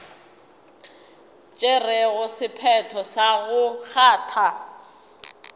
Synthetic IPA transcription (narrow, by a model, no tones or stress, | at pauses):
t͡ʃʼerɛɣʊsɪpʰɛtʰɔsaɣʊk͡xʰaːtʰa